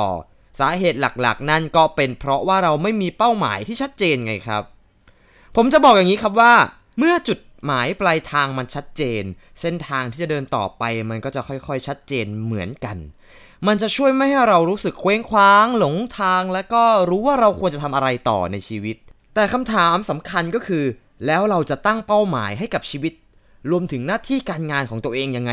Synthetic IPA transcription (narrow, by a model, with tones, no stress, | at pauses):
ɔː˨˩ | saː˩˦ɦeː˨˩t̪̚la̰˨˩k̚la̰˨˩k̚na˥˩nkɔː˥˩pe˧npʰɾɔ˦˥waː˥˩ɾa˧wma˥˩jmiː˧pa˥˩wma̰ː˩˦jt̪ʰiː˥˩t͡ɕʰa˦˥t̪̚t͡ɕeː˧nŋa˧jkʰɾa̰˦˥p̚ | pʰːo˩˦mt͡ɕa˨˩bɔː˨˩k̚ja˨˩ŋiː˦˥kʰɾa˦˥p̬̚waː˥˩ | mɯ˥˩ɐət͡ɕu˨˩t̪̚maː˩˦jpla˧jt̪ʰaː˧ŋma˧nt͡ɕʰa˦˥t̪̚t͡ɕeː˧n | se˥˩nt̪ʰaː˧ŋʰiː˥˩t͡ɕa˨˩dɤː˧nt̪ɔ̰ː˨˩pa˧jma˧nkɔː˥˩t͡ɕa˨˩kʰɔ˥˩jkʰɔ˥˩jt͡ɕʰa˦˥t̪̚t͡ɕeː˧nmɯ˩˦ənka˧n | ma˧nt͡ɕa˨˩t͡ɕʰu˥˩əjma˥˩jɦa˥˩jɾa˧wɾuː˦˥sɯ˨˩kʰːweː˦˥ŋkʰwaː˦˥ŋlo˩˦ŋt̪ʰaː˧ŋlɛː˦˥wkɔː˥˩ɾuː˦˥waː˥˩ɾa˧wkʰu˧ənt͡ɕa˨˩t̪ʰa˧mʔa˧ɾa˧jt̪ɔ̰ː˨˩na˧jt͡ɕʰiː˧wi˦˥t̪̚ːɛː˨˩kʰa˧mt̪ʰaː˩˦msa˩˦mkʰa˧nkɔː˥˩kʰɯː˧ | lɛː˦˥wɾa˧wt͡ɕa˨˩t̪a˥˩ŋpa˥˩wma̰ː˩˦jɦa˥˩jka˨˩p̚t͡ɕʰiː˧wi˦˥t̪̚ | ɾu˧əmt̪ʰɯ˩˦ŋnaː˥˩t̪ʰiː˥˩kaː˧nŋaː˧nkʰɔː˩˦ŋt̪u˧əʔeː˧ŋja˧ŋːa˧